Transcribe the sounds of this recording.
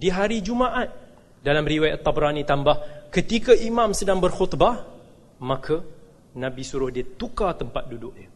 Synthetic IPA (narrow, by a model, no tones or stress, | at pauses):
diɦaɾid͡ʒumaʔat̪̚ | dalamriwajʔat̪ːabɾanĩt̪ambahkət̪ikaʔimãmsədaŋbərxʊt̪ba | mãkʰa | nãbisuɾʊhdiət̪ukat̪əmpat̪̚dudʊʔ̚ɲə